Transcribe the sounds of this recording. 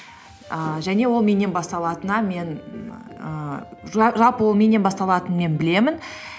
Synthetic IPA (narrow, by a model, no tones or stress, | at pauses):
əʒæne̞wo̞lˠme̞ne̞nbɑst̪ɑlˠɑt̪ənɑme̞n | ə | ʒɑlˠpəwolˠme̞ne̞nbɑst̪ɑlˠɑt̪ənme̞nbɪle̞mɪn